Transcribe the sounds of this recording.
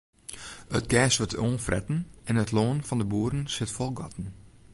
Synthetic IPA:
ətɡɛːsʋətoːnfrɛ̰tn̩ɛnətloːnfɔndəbuːəɾən̩sɪtfɔlˠɡɔtn̩

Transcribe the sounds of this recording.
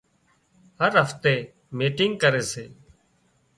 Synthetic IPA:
həɾɦəft̪eː | miːʈɪŋɡ̚kəɾeːseː

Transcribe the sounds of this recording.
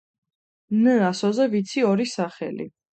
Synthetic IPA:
nəasɔzɛvit̪sʰiɔɾisaχɛ̰lḭ

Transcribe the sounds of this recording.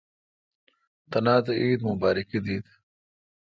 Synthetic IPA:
t̪ɐnaːt̪ɐʔiːd̪mʊbaːɾikid̪iːd̪

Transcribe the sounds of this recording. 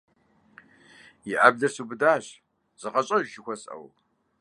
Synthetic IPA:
jɪʔa̰bdɐrsuːbɨdaːɕ | z̥ɨqɐɕʼɐʒʒɪxʷɔsʼɐ̰w

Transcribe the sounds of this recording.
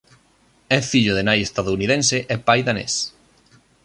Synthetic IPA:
ɛfiʎoðenajest̪aðouniðenseʔɛpajðanḛs

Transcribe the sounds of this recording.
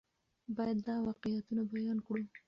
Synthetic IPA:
bɑjad̪ːɑwɑqɪjat̪unabajɑnkɽu

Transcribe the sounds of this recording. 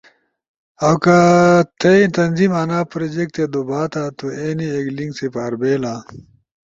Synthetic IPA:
ɐwkɐt̪ʰɐit̪ɐnzimɐnaːpɾed͡ʑek̚t̪ed̪obaːt̪at̪ueːniekliŋɡsepaːɾbeːlãː

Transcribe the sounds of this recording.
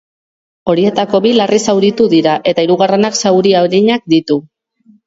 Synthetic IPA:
o̞ɾie̞t̪ako̞βilarisawɾit̪uðiɾaʔe̞t̪aiɾuɣare̞naksawɾiawɾiɲak̚d̪it̪u

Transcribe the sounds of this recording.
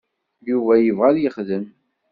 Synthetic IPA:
juvæjəvʁæðjəχðəm

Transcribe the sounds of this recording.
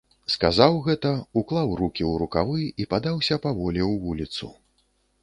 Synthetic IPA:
skazawɣɛt̪ɐuklˠawrukʲiwɾukavɨjipad̪awsʲɐpavɔlʲiwvulʲit̪sṵ

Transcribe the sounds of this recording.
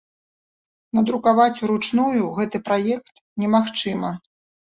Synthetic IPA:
nɐd̪ɾukavat͡sʲuɾut͡ʂnujuɣɛt̪ɨpɾajɛk̚t̪ | nʲɛmaxt͡ʂɨmɐ

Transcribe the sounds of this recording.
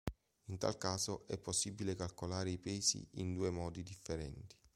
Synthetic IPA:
int̪a̰lkaːzoʔɛpːosːibːilekalkolaːɾeipɛːzḭind̪uːemɔːd̪id̪ifːeɾɛ̰nt̪i̥

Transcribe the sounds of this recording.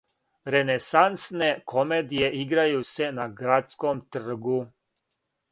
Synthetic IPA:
ɾenesansne̞kʰomeːd̪ije̞ʔiɡɾajuse̞naɡɾat̪skomt̪r̩ɡu

